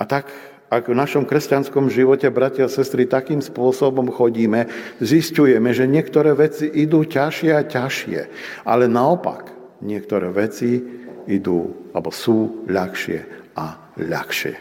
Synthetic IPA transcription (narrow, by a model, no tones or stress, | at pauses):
at̪ak | aɡvnaʃɔmkɾɛscanskɔmʒiʋɔcɛbɾacasɛst̪ɾit̪akiːmspʊɔsɔbɔmxɔɟiːmɛziscujɛmɛʒɛɲɪɛkt̪ɔɾɛːʋɛt͡siʔid̪uːcaʃɪɛacaʃɪɛ̰ | a̰lɛnaɔpa̰k | ɲɪɛkt̪ɔɾɛːʋɛt͡siid̪ṵːalbɔsuːʎaxʃɪɛ̰ʔa | ʎa̰xʃɪɛ̰